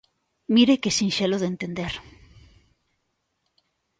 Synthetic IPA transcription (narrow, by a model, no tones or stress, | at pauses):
miɾekesinʃeloðent̪end̪eɾ